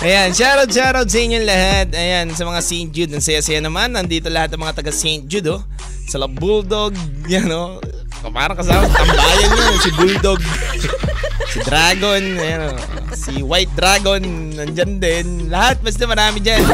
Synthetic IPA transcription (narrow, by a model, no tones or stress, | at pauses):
ʔɐjanʃaːɾɐwd̪̚ʃaːɾɐwd̪̚sɐʔɪɲːoŋlɐhat̪̚ɐjansɐmɐŋasejnt̪̚d͡ʒud̪̚nɐŋsɐjasɐjanɐmanːɐŋd̪iːt̪olɐhat̪̚ɐŋmɐŋat̪ɐɡasejnt̪̚d͡ʒud̪o | sɐlɐbud̪oɡ̚ | jano | kɐpa̰ːɾɐŋkɐs̬aːmɐsɐt̪ɐmbaːjɐnjoosibujd̪oɡ | sɪd̪ɾaːɡo̞nɐjano | siwajt̪̚d̪ɾaːɡo̞n | ɐnd͡ʒand̪ɛn | lɐhat̪̚bɐsd̪ɛmɐɾaːmɪd͡ʒan